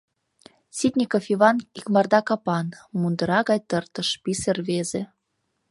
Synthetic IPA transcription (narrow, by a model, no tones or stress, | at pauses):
sʲit̪ʲnʲikofiβɑnikmɑrd̪ɑkɑpɑnmund̪ə̆ɾɑɣɑjt̪ərt̪ə̆ʃpiserβeze